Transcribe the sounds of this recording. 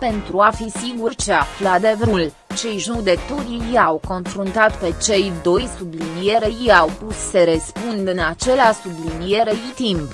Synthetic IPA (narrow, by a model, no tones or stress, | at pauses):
pe̞nt̪ɾuafisiɡurt͡ʃe̞aflad̪evɾul | t͡ʃe̞jʒud̪e̞k̚t̪uɾiiawko̞nfɾunt̪at̪pe̞t͡ʃe̞jd̪o̞jsublinije̞ɾejiawpusːeɾespund̪ɨnat͡ʃe̞leasublinijeɾejit̪imp